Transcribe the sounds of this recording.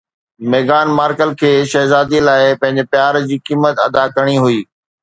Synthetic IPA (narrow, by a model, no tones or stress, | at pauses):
meːɡaːnmaːɾkəlkʰeːʃɐɦzaːd̪ilaːɪpɐ̃ɦɪ̃ɲd͡ʑepjaːɾd͡ʑiːkiːmət̪ɐ̰d̪akɐɽ̃iɦuiː